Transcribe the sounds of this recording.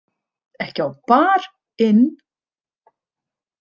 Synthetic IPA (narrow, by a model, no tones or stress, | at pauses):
ɛhcɪawpaːɾ | ɪn